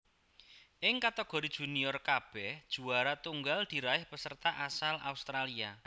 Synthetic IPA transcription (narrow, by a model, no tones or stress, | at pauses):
ʔɪŋkat̪əɡ̥ɔ̤ɾid̥ʒ̥ṳniɔrkab̥ɛhd̥ʒ̥ṳaɾat̪uŋɡald̪̥i̤ɾaɪhpəsərt̪aʔasala̰ust̪ɾalia